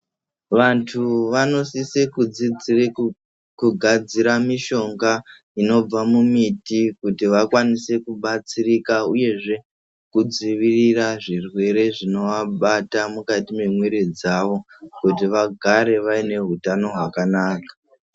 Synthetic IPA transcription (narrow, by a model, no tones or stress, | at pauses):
ʋantʰuʋano̞sisekud͡zid͡zr | kuɡʱad͡ziɾamiʃo̞ŋɡa | ino̞b͡vamumitikutiʋakwanise̞kuɓat͡sirikauje̞ʐe̞ | kud͡ziʋiriraʐirwe̞ɾe̞ʐino̞ʋaɓatamukatime̞mwe̞ɾe̞d͡zaʋo̞ | kut̬iʋaɡʱaɾe̞ʋaine̞ɦutano̞ɦwakanaːkḁ